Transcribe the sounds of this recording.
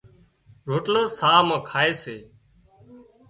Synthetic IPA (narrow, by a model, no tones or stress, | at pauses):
ɾoːʈləsaːmə̃ːkʰaːeːseː